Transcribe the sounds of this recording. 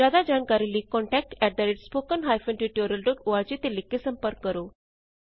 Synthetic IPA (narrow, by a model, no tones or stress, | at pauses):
ad̪ad͡ʑaɳkaɾiliːkɔ̃ɳʈɛk̚ʈɛɖ̚d̪aɾeʈspokənɦajfə̃ɳʈɾiʈjoɾjəlɖokuʋaɾt͡ɕit̪elikːesəmpəɾkːəɾo